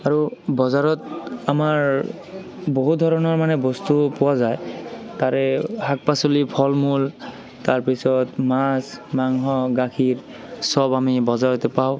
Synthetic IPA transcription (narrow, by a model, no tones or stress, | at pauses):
aɹubɔzaɹɔtamaɹ | boɦut̚dʱɔɹɔnɔɹmanɛbɔstupɔwazajtaɹɛhak̚pasolipʰɔlmul | taɹpisɔtmasmaŋɦɔɡakʰiɹ | sɔbamibɔzaɹɔtɛpaʊ̃